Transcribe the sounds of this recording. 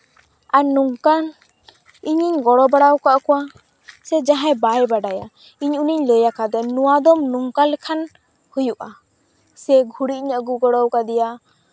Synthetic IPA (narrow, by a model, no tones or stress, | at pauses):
anuŋkan | iɲiɲɡɔɽɔbaɽawkaʔkɔwa | sɛd͡ʒaɦãjbajbaɖaja | iɲuniɲləjakad̪ɛnuwad̪ɔmnuŋkalɛkʰan | hujuʔa | sɛɡʱuɽiʔɲaɡuɡɔɽɔwkad̪ɛja